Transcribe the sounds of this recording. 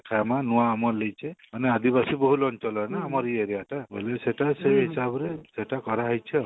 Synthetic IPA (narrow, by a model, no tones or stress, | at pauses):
kʰajamanuwaːmɔlejt͡ʃʰemanead̪ibasiboɦulɔnt͡ʃɔlɔenaːmɔɾieɾeaʈabeleseʈaseɦisabɔɾeseʈakɔɾaɦajt͡ʃʰɔ